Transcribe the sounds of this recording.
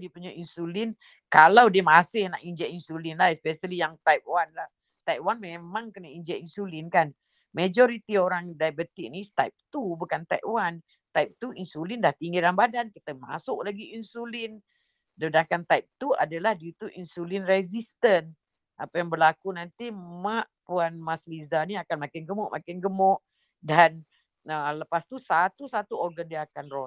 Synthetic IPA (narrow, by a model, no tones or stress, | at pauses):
dipuɲaʔinsulɪn | kalawdiəmasɪhna̰ʔiɲd͡ʒɛʔinsulɪnlaspɛsalijaŋt̪ajp̚wanlah | t̪ajp̚wanmemãŋkənaiɲd͡ʒɛʔinsulɪnkan | med͡ʒɔɾit̪ioɾaŋdajbət̪ik̚nist̪ajp̚t̪ubukant̪ajʔwan | t̪ajp̚t̪uinsulindaht̪iŋɡiɾanbadankit̪əma̰sʊʔlaɡiinsulin | dədakant̪ajp̚t̪ua̰dalahdiit̪uʔinsulinrɛzist̪ən | ʔapajaŋbərlakunant̪imaʔpuanmaslisdaniakanmakɪnɡəmʊʔmʔakɪnɡəmɔʔ | dan | ələpast̪usat̪usat̪uɔɡəndiakanrɔ